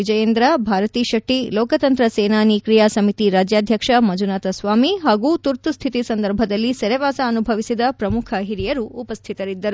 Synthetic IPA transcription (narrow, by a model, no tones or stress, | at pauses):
ʋid͡ʒɐjeːnd̪ɾɐbʱaːɾɐt̪iːʃɐʈːilɔːkɐt̪ɐnt̪ɾɐseːnaːnikɾijaːsɐmit̪iɾaːd͡ʒjaːd̪ʱjɐkʂɐmɐd͡ʒunaːt̪ɐsʋaːmiɦaːɡut̪uɾt̪ust̪ʰit̪isɐnd̪ɐɾbʱɐd̪ɐlːisɐɾɛʋaːsɐːnubʱɐʋisid̪ɐpɾɐmukʰɐɦiɾijɐɾuːpɐst̪ʰit̪ɐɾid̪ːɐɾu